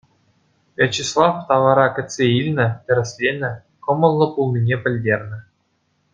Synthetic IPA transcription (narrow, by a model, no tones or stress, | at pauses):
vʲet͡ɕislˠɑft̪ɑʋɑɾɑkʲɘ̆tʲsʲeilʲnʲɘ̆t̪ʲɘ̆ɾʲɘ̆sʲlʲenʲɘ̆ | χɤ̆mɤ̆nˠlˠɤ̆pulˠnʲinʲepʲɘ̆lʲdʲerʲnʲɘ̆